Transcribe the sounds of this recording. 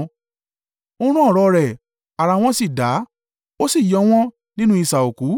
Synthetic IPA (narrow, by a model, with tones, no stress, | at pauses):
o˦ɾ̃ũ˦ɔ˦˨ɾɔ˧ɾɛ˨ | a˨ɾa˧w̃ɔ̃˦si˦˨da˨˦ | o˦si˦˨jɔ˨˧˦w̃ɔ̃˦ | nĩ˦nũ˦i˦˧sa˨o˨ku˨˦